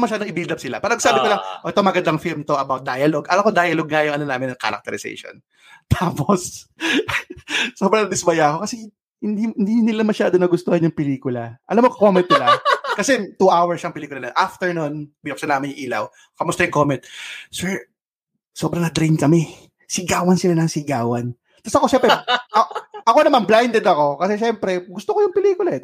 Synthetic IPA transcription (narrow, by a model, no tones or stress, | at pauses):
mɐʃaːd̪oŋʔɪbild̪ɐb̚sɪla̰paːɾɐɡsaːbɪkolaŋʔoʔɛt̪omɐɡɐnd̪ɐŋfilmt̪oʔɐbawt̪̚d̪ajɐloɡʔɐlakod̪aːjɐloɡ̚ŋɐjʊŋʔɐnonaːmɪnɐŋka̰ɾɐ̰k̚t̪ɛɾɪsɛ̰jʃo̰n | t̪ʰaːpos | soːbɾɐŋd̪ɪsbɐjaːko̞kɐsɛ | hɪnd̪iɪnd̪inɪlamɐʃaːd̪onɐɡʊst̪ohɐnjʊŋpɛliːkʊlɐʔɐlamːokkomɛnt̪̚ːɪlakɐsɛt̪uʔawɐɹsɐŋpɪliːkʊlɐnonʔaft̪ɛɹnonbilɐksɐnaːmɐnʊŋʔiːlɐ̰w | kɐmʊst̪ɐjʊŋkoːmɛnt̪̚sɛɹ | soːbɾɐŋɐd̪ɾinkɐmɛ | sɪɡaːwɐnsɪlanɐŋsɪɡaːwɐn | t̪ɐsʔɐko̞ʃɛmpɾɛɐʔɐko̞nɐmanblajnd̪ɛd̪ɐko̞kɐsɛʃɛmpɾɛɡʊst̪okojʊŋpɪliːkʊlaɛd̪